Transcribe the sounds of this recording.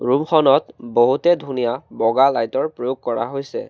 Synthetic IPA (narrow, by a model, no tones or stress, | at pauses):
ɹumxʰɔnɔtboɦutɛdʱunijabɔɡalajtɔɹpɹojoɡ̚kɔɹa̰ɦojsɛ̰